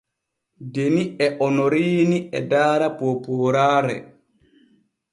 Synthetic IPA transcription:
deniɛʔɔnoɾiːniʔɛ̰daːɾapopuɾaːɾɛ̰

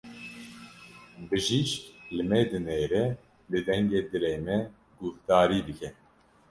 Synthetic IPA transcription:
bɨʒiʃlɨmɛd̪ɨneːɾɛ | lɨd̪ɛŋɡeːd̪ɨɾeːmɛ | ɡufd̪ɑːɾiːd̪ɨkʰʲɛ

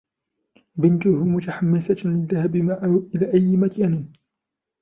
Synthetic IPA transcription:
bɪnt̪ʊhʊmʊt̪aħamːɪsat̪lɪðːahabɪmaʔaʔɪlaːʔajːɪmakaːnɪn

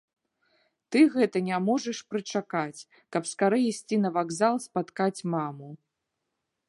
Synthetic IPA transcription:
t̪ɨɣɛt̪ɐnʲamɔʐɐʂpɾɨt͡ʂakat͡sʲ | kɐpskaɾɨisʲt͡sʲinɐvaɡzalˠspat̪kat͡sʲmamu

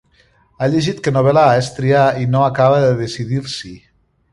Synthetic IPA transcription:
aʎeʒit̪kənoβɛlaaest̪ɾiainoakaβəðəðesiðiɾsi

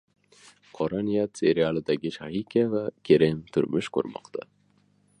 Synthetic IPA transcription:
qʰɒɾɑnijat̪sʲe̞ɾialˠɪd̪aɡʲɪʃahikʲʰavakʲʰeɾemt̪ʰʊɾmɪʃkʰo̰ɾmɒ̰qt̪ʰa̰

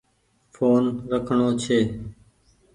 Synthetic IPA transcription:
foːnɾəkʰɳoːt͡ʃʰeː

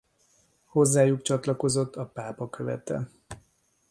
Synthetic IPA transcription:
ho̞zːaːjukt͡ʃɒt̪lɒko̞zo̞t̪ʰːɒpaːpɒkʰøvɛ̰t̪ɛ̰

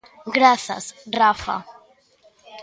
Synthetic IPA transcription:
ɡɾaθa̰srafa̰

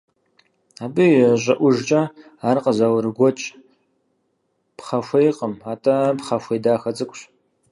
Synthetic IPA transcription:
aːbɨjɛɕʷʼɐʔʷʊʒt͡ʃʼɐ | aːrqəzawɾɨɡʷɔt͡ʃʼ | pʰχɐfʷejqʼəmaːtʼɐpχɐfʷejdaːxɐt͡sʼɨkʷʼɕ

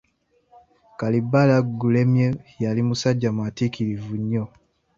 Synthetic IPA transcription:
kalibalaɡulɛmjɛjalimusaɟamwatikilivuɲɔ

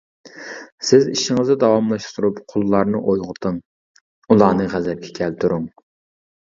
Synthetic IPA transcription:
sɪziʃɪŋɨzɨd̪ɑwɑmlˠɑʃt̪ʰuɾupqʰolˠːɑɾnɨʔojʁʊt̪ʰɨŋ | ulˠɑːnɨʁæzɛp̚ɡʲʰɛ̥kʲʰɛlt̪ʰuɾuŋ

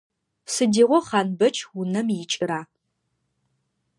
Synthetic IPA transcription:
sɨdiːʁʷɔχɑːnbɐt͡ʃʰʼwʊnɐmjɪt͡ʃʼɪɾaː

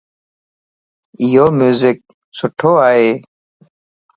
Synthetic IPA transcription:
ijoːmjuːzɪk̚ | sʊʈʰoːaːeː

